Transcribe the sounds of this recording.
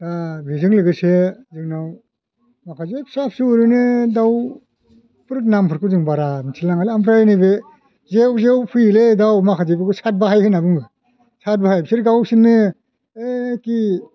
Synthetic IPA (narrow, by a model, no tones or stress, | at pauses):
dabʱizɯŋlɯɡɯsezɯŋnaw | makʰazepʰsap̚suɾɯnɯdaw | pʰɯɾɯk̚nampʰɯɾkɯzɯŋbaɾaisʰilaŋalampʰɾajnibe | zewzewpʰɯjledawmakʰazebɯkɯsat̚baɦajhenabɯŋbɯ | sat̚bahajbsiɾɡawsinːɯ | eki